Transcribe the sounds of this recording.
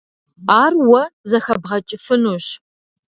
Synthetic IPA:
aːrwɐzɐxɐbʁɐt͡ʃʼɪfɨnuːɕ

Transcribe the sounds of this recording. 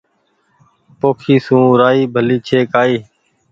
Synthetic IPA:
poːkʰiːsũːɾaːiːbʱəliːt͡ʃʰeːkaːiː

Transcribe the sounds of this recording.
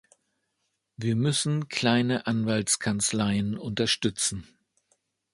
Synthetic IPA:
viːɐmʏsn̩kʰl̥aɪnəʔanvaltskʰant͡slaɪənʊntɐʃtʏt͡sn̩

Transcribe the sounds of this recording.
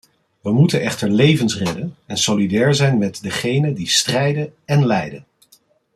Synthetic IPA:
ʋəmutənɛχtəɹlejvənsrɛdənɛnsolidɛːɹzɛjnmɛtdəχejnədistrɛjdənɛnlɛjdən

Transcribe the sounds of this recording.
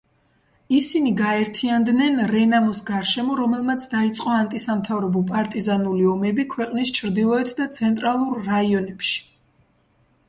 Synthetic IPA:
isiniɡaɛɾt̪ʰiand̪nɛnɾɛnamɔsɡaɾʃɛmɔɾɔmɛlˠmat̪sʰd̪ait̪sʼqʼɔant̪ʼisamt̪ʰavɾɛbɔpʼaɾt̪ʼizanuliɔmɛbikʰwɛqʼnist͡ʃʰɾd̪ilˠɔɛt̪ʰd̪at̪sʰɛnt̪ʼɾalˠuɾːaiɔnɛpʃi̥

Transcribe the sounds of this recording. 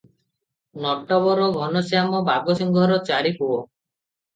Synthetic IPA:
nɔʈɔbɔɾɔɡʱɔnɔsjamɔbʱaɡɔsiŋɡʱɔɾɔt͡ʃaɾikuɔ

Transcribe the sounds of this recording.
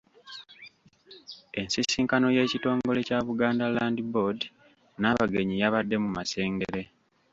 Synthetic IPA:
e̞nsisiːŋkano̞je̞ːcito̞ːŋɡo̞le̞caβuɡaːndalaːndibo̞di | naːβaɡe̞ɲijaβadːe̞mumase̞ːŋɡeɾe̞

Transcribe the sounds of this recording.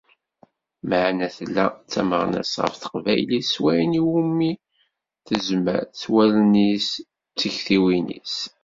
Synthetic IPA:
məʕnæθlːæ̰t͡sːæməʁnæ̰sʁə̰fθə̥qvæjliswæjniwumːi | θəzmə̰ɾt͡sːwælnis | t͡sːəçθiwinḭs

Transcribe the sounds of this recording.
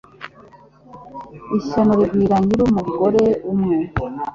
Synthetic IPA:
iʃanoɾiɡɡwiːɾaɲiɾumuɡo̞ɾe̞umŋuːnu

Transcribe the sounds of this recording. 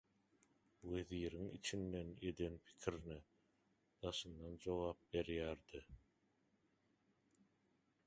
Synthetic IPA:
weðiːɾiŋḭt͡ʃʰinːe̞nje̞d̪e̞npʰi̥kʲʰiɾni | d̪̥ɑʃɯnd̪ɑnd͡ʒo̞ɣɑːp̚be̞ɾjæːɾd̪̥i

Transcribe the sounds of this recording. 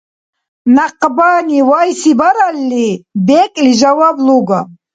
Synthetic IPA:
naqʼbaːniwajsibaɾalːibɛkʼliʒawabluɡa

